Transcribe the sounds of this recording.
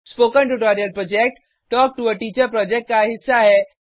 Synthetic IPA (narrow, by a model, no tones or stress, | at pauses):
spoːkə̃ɳʈuʈɔːɾijəlpɾɔːd͡ʒek̚ʈ | ʈɔːk̚ʈuəʈiːt͡ʃəɾpɾɔːd͡ʒek̚ʈ̚kaɦɪsaɦɛː